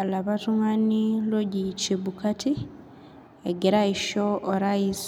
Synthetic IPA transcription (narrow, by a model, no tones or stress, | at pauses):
alaβatuŋaniloɟit͡ʃeβukatʰi | eɡeɾaiʃoʔːɾais